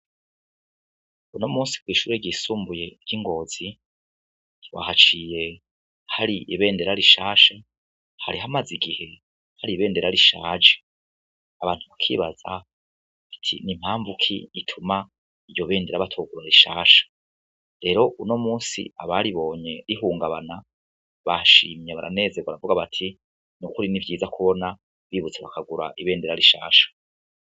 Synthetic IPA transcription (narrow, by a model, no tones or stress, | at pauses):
uno̞muːnsi̥kwiːʃuːɾeɟiːsuːmbuje̞ɾɟiŋɡo̞ːz̥i | wa̰hat͡ʃije̞ | haɾiiβe̞ːndeɾaɾiʃaːʃa | haɾiɦamaziɡihe̞ | haɾiβe̞ːnde̞ɾaɾiʃa̰ːd͡ʒe̥ | aβaːn̥huβakʰḭːβa̰z̥a̰ | atʰḭnim̥haːɱvukʰḭitʰuma | iɾjoβe̞ːndeɾaβatʰoːɡuɾaɾiʃaːʃḁ | ɾe̞ɾo̞ʔuno̞muːsḭaβaɾiβo̞ːɲe̞ɾiɦuːŋɡaβana | βaʃiːmɲeβa̰ɾa̰ne̞zeɡwaɾavuɡaβatʰi | nukuɾinivjiːzakʰuβo̞na | βiβut͡seβakaɡuɾa̰ʔiβeːnde̞ɾaɾiʃa̰ːʃḁ